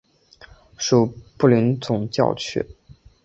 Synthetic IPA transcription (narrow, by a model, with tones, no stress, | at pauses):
ʂu˨˩pu˥˩li˧˥nt͡sʊ˨˩ŋt͡ɕjɑ̰˥˧ʊt͡ɕʰy̰˥˩